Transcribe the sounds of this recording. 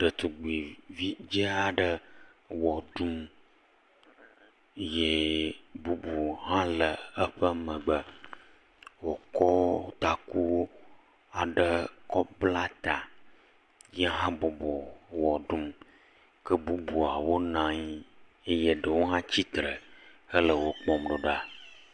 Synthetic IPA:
ɖ̥ə˨t̪u˨ɡ͡bi˨vi˦d͡ʒe˦a˨ɖə˦ | wɔ˨ɖu˦m | je˦bu˦bu˨ɦã˦lə˨ə˦ɸə˦mə̃˨ɡ͡bə˦ | wo˨kɔ˦t̪a˨ku˦ | a˨ɖə˦kɔ˦bla˦t̪a˨ | je˦ɦã˦bo˨bɔ˨wɔ˨ɖu˦m | kə˦bu˦bu˨a˨wo˦nã˦ɲi˦ | e˦je˦ɖə˨wo˦ɦã˦t͡ɕi˦t̪ɾə˨hə˦lə˨wo˦k͡pɔ̃˨mɖo˨ɖa˨

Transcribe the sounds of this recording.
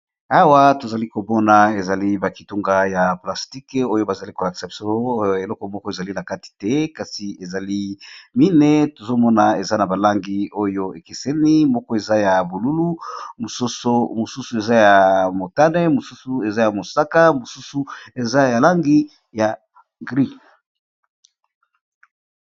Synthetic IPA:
a˦wa˦to˨za˨li˦ko˨bɔ˦na˨e˨za˨li˦ba˨ki˨tu˦ŋɡa˦ja˨pla˨sti˦ko˦jo˦ba˨za˨li˦ko˨la˨ki̥˨sa˨bi˨so˦e˨lɔ˦kɔ˨mɔ˦kɔ˦e˨za˨li˦na˨ka˦ti̥˨tɛ˦ka˨si˨e˨za˨li˦mi˦ne˦to˨zo˦mɔ˦na˨e˨za˦na˨ba˨la˦ŋɡi˦o˦jo˦e˨ke˨sɛ˦ni˦mɔ˦kɔ˦e˨za˦ja˨bo˨lu˦lu˦mo˨so˦so˦mo˨su˦su˨e˨za˦ja˨mo˨ta˦nɛ˦mo˨su˦su˨e˨za˦ja˨mo˨sa˦ka˦mo˨su˦su˦e˨za˦ja˨la˦ŋɡi˦ | ja˨ | ɡʁi˦

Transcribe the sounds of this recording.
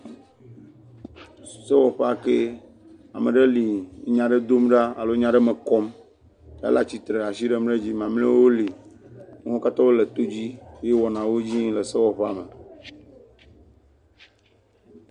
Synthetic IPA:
se˦wɔ˨ɸe˦a˨ke˦ | a̰˨mẽ˨ɖe˦li˨˦ɲã˨ɖe˦d̪o˦mɖa˦a˨lo˦ɲã˨˦ɖe˦me˨kɔ˦m | a̰˦la˦t͡ɕi˨t̪ɾe˨a˨si˦ɖe˦mɖe˦d͡ʑi˦mã˨mlẽ˦wo˦li˨ŋe˦wo˦ka˦t̪ɔ˦be˦le˨t̪o˦d͡ʑi˦je˦wɔ˨nã˨wo˦d͡ʑĩ˦le˨se˦wɔ˨ɸa̰˨me˨

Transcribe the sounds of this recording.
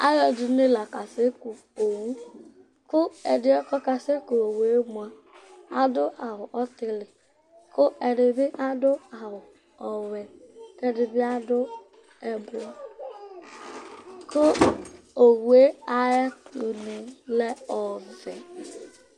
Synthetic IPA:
a˦ɣe˨du˨˦ne˦la˨ka˨se˦ku˨ | o˨wu˦ | kʊ˦e˨dɪ˦ɔ˦kɔ˦ka˨se˦ko˨o˨we˦mu˨a˦ | a˦dʊ˦ʔa˨ɦʊ˨ʔɔ˦tɪ˦lɪ˨ | kʰʊ˦ʔe˨dɪ˨bɪ˦ʔa˦dʊ˦a˨ɦʊ˨ | ɔ˨wɛ˨kɛ˦dɪ˨bɪ˦a˦dʊ˦ | ɛ˨bo˦ | ko˦ | o˨we˦a˦je˦tu˨ne˨le˦ɔ˨vɪ˨

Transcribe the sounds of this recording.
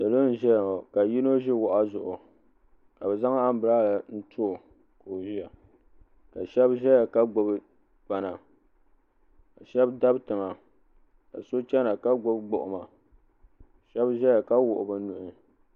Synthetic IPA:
da˨lo˦n̩˦ʒɛ˦jŋo˨ka˨ji˦no˦ʒɪ˦wʊ˨ʔa˦zʊ˨ʔʊ˨ | ka˨bɛ˨za˦ŋa˦m̩˦bɨ˨ɾa˦˨la˨n̩˦tʰʊ˦˨ | ko˨ʒi˦ja˨ | ka˨ʃɛ˦bʒɛ˦ja˨ka˦ɡ͡bʊ˨b | k͡pa˨na˨ | ka˨ʃɛ˦bda˦btɨ˨ŋa˨ | ka̰˨so˦t͡ʃɛ˦na˨ka˦ɡʊ˦bɡ͡bʊ˨ʔʊ˨ma˨ | ʃɛ˦bʒɛ˦ja˨ka˦wʊ˨ʔʊ˨bɨ˨˦nu˨ʔɪ˨

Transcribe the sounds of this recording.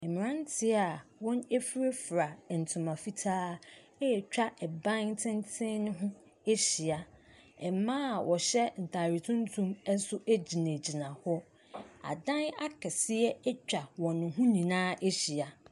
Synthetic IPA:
ɛ˨mɪ̃˨ɾã˦n˦tʰɪ˦a˨wɔ̃˦ne˦fi˦ɾe˦fɾa˨n̩˨tʰʊ̃˨mã˨fi˦tʰaː˦ | e˦˨t͡ɕᶣa˦ʔɛ˨bã˦n˦tʰɪ̃˦n˦tʰɪ̃˦nʊ̃˦ɦʊ̃˦ | e˦ɕi˨a˨ | ɛ˨mãː˦˨wʔɔ˨ɕɛ˦n̩˨tʰa˨ɾi˨tʰʊ̃˦n˦tʰũ˦mɛ˦sʊ˦ʔe˦d͡ʑi˨nẽ˨d͡ʑi˨nã˨hɔ˦ | a̰˨dã˦na˦kʰɛ˨sɪ˦ɛ˦ɛ˦t͡ɕᶣa˨wɔ̃˨nʊ̃˨ɦʊ̃˦nĩ˨nãː˦ʔe˦ɕi˨a˨

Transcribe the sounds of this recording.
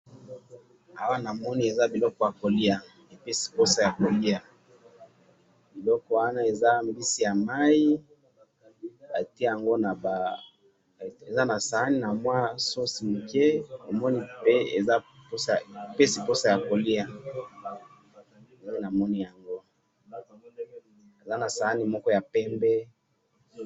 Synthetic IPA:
a˨wa˦na˨mɔ˦ni˦e˨za˦bi˨lɔ˦kɔ˦˨ja˨ko˨li˦a˨ | e˨pe˦si̥˨po˦sa˨ja˨ko˨li˦a˨ | bi˨lɔ˦kɔ˦wa˦na˦e˨za˦m˨bi˦si˨ja˨ma˦i˦ | a˨ti˦ja˨ŋɡo˦na˨ba˨ | e˨za˦na˨sa˨ha˦ni˨na˨mwa˦so˦si˨mu˨ke˦o˨mɔ˦ni˦pe˦ḛ˨za˦po˦sa˨pe˦si˨po˦sa˨ja˨ko˨li˦a˨ | zna˨mɔ˦ni˦ja˨ŋɡo˦ | e˨za˦na˨sa˨ha˦ni˦mɔ˦kɔ˦ja˨pɛ˦mbɛ˦

